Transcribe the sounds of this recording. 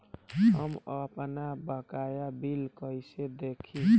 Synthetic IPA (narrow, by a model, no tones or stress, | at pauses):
ɦəməpnabəkajabilkəjsed̪ekʰĩ